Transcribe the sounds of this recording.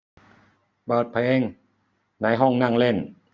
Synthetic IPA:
bɤː˨˩t̪̚pʰe˧˩ŋ | na˧˥˩jɦɔ˥˩ŋna˥˩˨ŋle˥˩n

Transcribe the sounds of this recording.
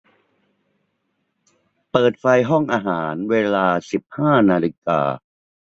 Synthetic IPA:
pɤː˨˩t̪̚fa˧jɦɔ˥˩ŋʔaː˧ɦaː˩˦nweː˧laː˧si˨˩p̚haː˥˩naː˧li˧ka̰ː˧

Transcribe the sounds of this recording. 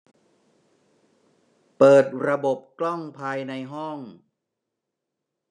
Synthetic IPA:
pɤː˨˩t̪̚ɾa˧bo˨˩p̚klɔ˥˩ŋpʰaː˧jna˧jɦɔ˥˩ŋ

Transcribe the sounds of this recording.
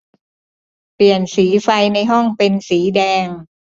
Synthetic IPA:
pli˨˩ənsiː˩˦fa˧jna˧jɦɔ˥˩ŋpe˧nsiː˩˦dɛː˧ŋ

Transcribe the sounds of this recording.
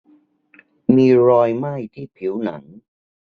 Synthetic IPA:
miː˧ɾɔː˧jma˥˩jt̪ʰiː˥˩pʰi˩˦wna̰˩˦ŋ

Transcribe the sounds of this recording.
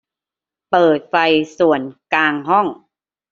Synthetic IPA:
pɤː˨˩t̪̚fa˧jsu˨˩ənkaː˧ŋɦɔ˥˩ŋ

